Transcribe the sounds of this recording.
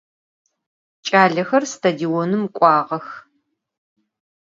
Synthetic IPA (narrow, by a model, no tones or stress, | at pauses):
t͡ʃʼaːɮɐxɐrstʰadionɨmkʷʼɑːʁɐx